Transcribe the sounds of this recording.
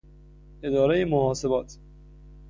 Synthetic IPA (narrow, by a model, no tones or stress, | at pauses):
ed̪ɒːɾejemohɒːsebɒːt̪ʰ